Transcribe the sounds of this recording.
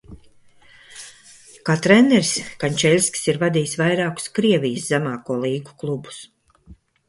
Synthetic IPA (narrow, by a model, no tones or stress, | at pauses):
kaːt̪ɾɛnɛɾskanʲt͡ʃɛlʲskʲsiɾvad̪ijsvajɾaːku̥skɾiɛvʲijɨszæmaːkuɔlˠiːɡu̥klˠubu̥s